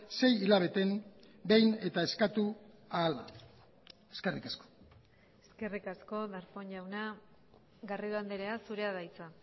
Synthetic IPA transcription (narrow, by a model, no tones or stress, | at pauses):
se̞jilaβ̞e̞t̪e̞m | be̞jne̞t̪ae̞skat̪u | aːla̰ | eske̞rikasko̥ | eske̞rikasko̞ðaɾpoɲʎawna | ɡariðand̪eɾeasuɾe̞aðajt͡sa